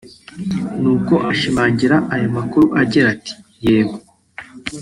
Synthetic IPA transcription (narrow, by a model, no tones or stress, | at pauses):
nuːko̞ʔaʃimaːɲɟiɾaʔajo̞makuɾuʔaɟiɾati̥jeːma